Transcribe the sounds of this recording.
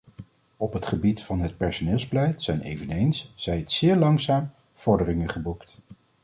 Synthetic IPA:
ɔpɦətχəbitfɑnɦət̚pɛɹsonɪːlˠzbəlɛjtsɛjnḛjvənejnsz̥ɛjtsɪːɹlɑŋsaːm | v̥ɔɹdərɪŋəχəbukt

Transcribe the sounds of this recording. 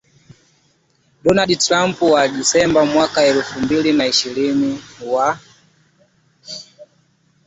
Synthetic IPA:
ɗɔnaɗitɾam̩pwaɗisɛmbamwakaɛlufumbilinaiʃiɾiniwa

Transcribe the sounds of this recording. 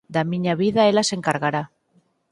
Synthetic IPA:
d̪amiɲaβ̞iðaelase̞ŋkaɾɣaɾa

